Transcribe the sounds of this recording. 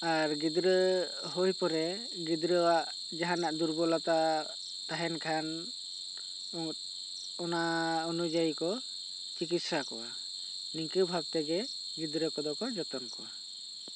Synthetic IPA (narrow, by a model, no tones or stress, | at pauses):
aɾɡid̪ɾə | ɦojpɔɾɛ | ɡid̪ɾəwaʔ | d͡ʒaɦanaʔd̪uɾbɔlat̪a | t̪aɦɛnkʰan | ɔnaɔnud͡ʒajikɔ | t͡ʃikit̪̚sakɔwa | niŋkibʱab̚t̪ɛɡɛ | ɡid̪ɾəkɔd̪ɔkɔd͡ʒɔt̪ɔnkɔa